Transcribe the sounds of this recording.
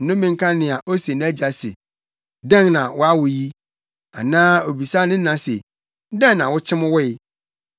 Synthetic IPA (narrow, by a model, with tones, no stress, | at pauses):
nʊ̃˦mɪ̃˨ŋ̩˦kʰã˦nɪ̃˨a˨ʔo˦se˨ñ˦æ˦d͡ʑa˨sḛ˨ | dɛ̃˦ŋnã˨wʔʊ˦a˦wʊ˨ji˦ | a̰˨nãː˦o˨bi˨sa˦nɪ̃˦nã˨sḛ˨˦ | dɛ̃˦nnã˨wʊ˦t͡ɕʰɪ̃˦m˦wʊ˦ɪ˨